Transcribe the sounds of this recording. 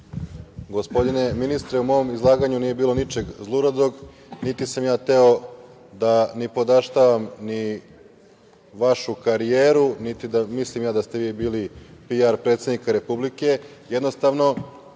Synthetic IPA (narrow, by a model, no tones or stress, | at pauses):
ɡo̞spo̞d̪ine̞minist̪ɾeumo̞omizlˠaːɡaɲunije̞biːlˠo̞nit͡ʃe̞ɡzlˠuɾod̪o̞ɡ | nit̪isamjaːt̪e̞o̞ | d̪anipo̞d̪aʃt̪aʋamni | ʋaʃukaɾijeːɾunit̪id̪amislimjaːd̪ast̪e̞ʋiːbiːlipiaɾpɾe̞t̪se̞d̪nikaɾe̞publike̞ | jed̪no̞st̪aʋno̞